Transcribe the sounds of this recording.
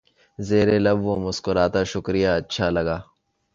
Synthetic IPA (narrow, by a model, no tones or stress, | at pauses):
zeːɾelɐbʋomʊskʊɾaːt̪aʃʊkɾɪjaɐtːʃʰalɐɡaː